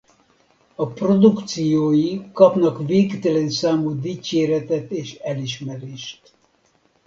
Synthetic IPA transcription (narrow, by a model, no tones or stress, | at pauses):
ɒpro̞d̪ukt̪sijoːjikɒpnɒkveːkt̪ɛlɛnsaːmud̪iːt͡ʃeːɾɛt̪ɛt̪eːʃɛliʃmɛɾeːʃt̪